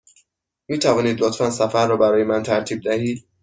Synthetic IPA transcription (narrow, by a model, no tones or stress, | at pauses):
miːt̪ʰævɒːniːd̪lot̪fænsæfæɾːɒːbæɾɒːje̞mænt̪ʰæɾt̪ʰiːb̚d̪æhiːd̪̥̚